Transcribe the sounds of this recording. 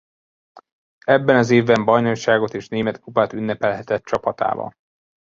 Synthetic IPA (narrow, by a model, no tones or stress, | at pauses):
ɛbːɛnɒzeːvbɛmbɒjno̞ʃaːɡo̞t̪eːʃneːmɛt̪kupat̪ynːɛpɛlɦɛt̪ɛt̪t͡ʃɒpɒt̪a̰ːvɒ̰l